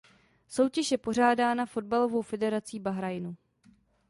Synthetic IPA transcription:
so̞wcɛʃjɛpo̞r̝aːdaːnafo̞dbalo̞vo̞wfɛdɛɾat͡siːbaɦɾajnu

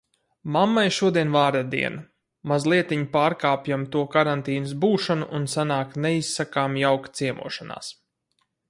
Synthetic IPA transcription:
mamːajʃuɔd̪iɛnvaːɾd̪ad̪ḭɛn | mazlˠiɛt̪iɲipaːɾkaːpjamt̪uɔkaɾant̪iːnɨsbuːʃanuʔːnsanaːkt̪nɛissakaːmjawkt̪siɛmṵɔʃana̰ːs

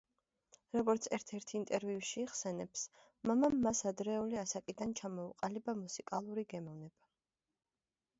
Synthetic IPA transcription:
ɾɔɡɔɾt̪sʰɛɾt̪ʰɛɾt̪ʰint̪ʼɛɾviuʃiːχsɛnɛps | mamamːasad̪ɾɛuliasakʼid̪ant͡ʃʰamɔuqʼalibamusikʼalˠuɾiɡɛmɔvnɛba

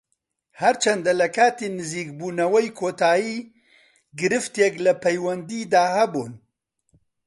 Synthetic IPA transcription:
hɐɾt͡ʃɐnd̪ɐlɐkaːt̪enɨziːk̚buːnɐwɐjkʰoːt̪aːjiː | ɡɨɾɨft̪jɛklɐpʰɐjwɐnd̪iːd̪aːhɐbun

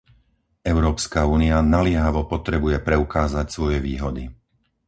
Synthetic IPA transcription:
ɛʊɾɔːpskauːnianalɪɛɦaʋɔpɔt̪ɾɛbujɛpɾɛukaːzacsʋɔjɛʋiːɦɔd̪i

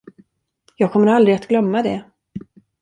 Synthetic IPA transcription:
jɑːɡ̚kʰɔmːəɾald̪ɾɪat̪ɡlœmːad̪ɛ

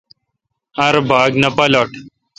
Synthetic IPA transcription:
ɐɾbʱaːɡnɐpɐloʈ

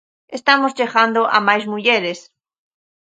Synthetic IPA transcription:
est̪amozʎeɣand̪oʔa̰majzmuʎeɾes

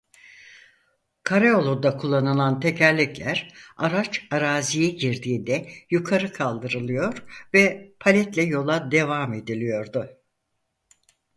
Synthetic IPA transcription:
kʰaɾeo̞lˠud̪akʰulˠːanɯlˠant̪ʰe̞cʰæɾlʲiclʲæɾaɾat͡ʃaɾaːzijɛɟiɾd̪iːnd̪ɛjukʰaɾɯkʰalˠd̪ɯɾɯlˠɯjo̞ɾvɛpʰalʲɛt̪lʲɛjo̞lˠad̪e̞vame̞d̪ilʲijo̞ɾd̪ʊ

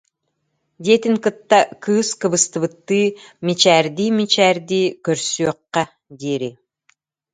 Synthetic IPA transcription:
d̪ʲet̪iŋkɯt̪ːakʰɯːskɯβɯst̪ɯβɯt̪ːɯːmit͡ʃæːɾd̪iːmit͡ʃæːɾd̪iːkøɾsyɔqːɑ | d̪eɾi

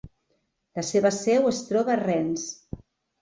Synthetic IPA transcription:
ləseβəsɛwəst̪ɾɔβarɛns

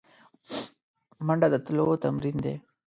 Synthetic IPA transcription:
mɐɳɖad̪at̪lot̪ɐmɾind̪ḛ

